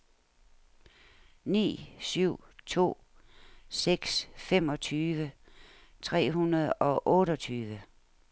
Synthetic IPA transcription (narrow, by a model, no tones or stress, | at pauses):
nḭːsyʊ̰t͡sʰo̝̰ː | seɡ̥sfemɒ̽t͡sʰyːʋə | t͡sʰʁɛ̰ːɦunɐð̞ˠɒ̽ʔɔːɾɒt͡sʰyːʋə